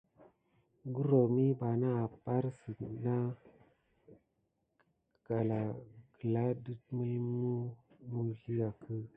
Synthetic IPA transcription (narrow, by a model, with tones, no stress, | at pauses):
ɡu˦ɾo˨mi˦ba˨na˦a˨pa˦ɾsi˨na˦ | ɡ̥a˨la˨ɡə˨la˦di˦tmə˦mu˦mu˦ɮi˦ja˨kʰə˦